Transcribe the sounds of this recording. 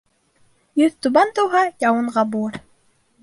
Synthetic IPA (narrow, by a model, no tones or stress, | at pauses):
jɵðt̪ubɑnt̪ɤ̆wɦɑjɑwɤ̆ɴʁɑbulˠɤɾ